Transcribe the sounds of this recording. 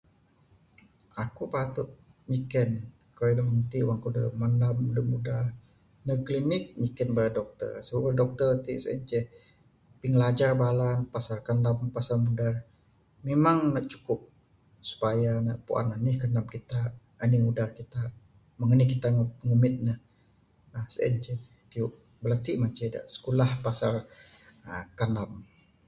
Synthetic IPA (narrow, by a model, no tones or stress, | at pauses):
akupat̪ʊt̪̚ | mikɛn | kəɾedəməmət̪iwaŋkudə̰manamudəmudah | nəklinɪk̚mikənbaɾadɔk̚t̪ə̰rsəbəbərdɔk̚t̪ərt̪iʔsɛ̰nd͡ʒɛh | piŋlad͡ʒarbalanpasarkəndampasarmudar | memaŋnaʔt͡ʃu̥kʊp̚ | su̥pajanaʔpṵʔa̰nanihkanamkit̪a | əniŋudarkit̪a | məŋənihkit̪aŋŋumɪt̪̚nəh | əsəə̰nd͡ʒɛ | kiuʔ | bəlat̪iʔmat͡ʃəda̰ʔsə̥kulahpasar | əkanam